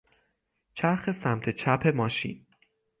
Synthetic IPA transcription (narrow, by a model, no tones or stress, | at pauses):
t͡ʃʰæɾxe̞sæmt̪ʰet͡ʃʰæpʰe̞mɒːʃḭn